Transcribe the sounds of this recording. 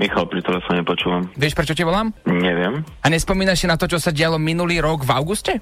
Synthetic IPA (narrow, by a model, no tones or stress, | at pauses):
mixalpɾit̪ɛlɛfɔɲɛpɔt͡ʃuːʋamʋɪɛʃpɾɛt͡ʃɔciʋɔlaːmɲɛʋɪɛm | aɲɛspɔmiːnaʃsinat̪ɔt͡ʃɔsaɟɪalɔminuliːɾɔɡvaʊɡuscɛ